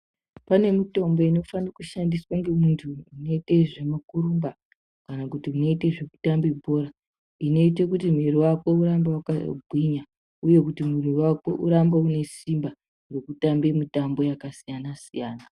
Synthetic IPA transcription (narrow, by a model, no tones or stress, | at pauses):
pane̞mito̞mbo̞ino̞fanakuʃandiswaŋɡe̞muntʰuːno̞ite̞ʐe̞makuɾuːmba | kanakutiuno̞iteʐe̞ku̥tambibʱo̞ːɾa | ino̞ite̞kutim̤iɾiwako̞uɾambawakabʱwiɲa | uje̞kutimuriwako̞ʔuɾambeune̞simba | re̞kutambe̞mitambo̞jakasijanasijaːna